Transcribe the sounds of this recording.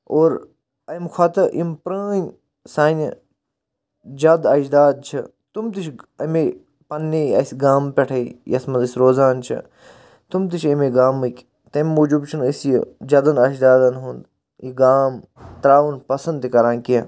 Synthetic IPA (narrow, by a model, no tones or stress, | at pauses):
oːɾ | ɐjmxʰaːt̪ɐʔimpɾəːn | saːnʲ | d͡ʒɐd̪ɐːt͡ʃd̪aːd̪̚t͡ʃʰi | t̪umt̪it͡ʃʰɐme | pɐnːeɐ̰sɡaːmpʲeʈʰɐjɐsmɐzɐsʲɾoːzaːnt͡ʃʰḭ | t̪umt̪̬it͡ʃʰɐmeɡaːmɨkʲ | t̪ɐmːoːd͡ʒubt͡ʃʰunəsj̰d͡ʒɐd̪ɐnɐʃd̪aːd̪ɐnɦund̪ | iɡaːm | t̪ɾaːʋunpɐsɐnd̪ikɐɾãːnʲkiɐ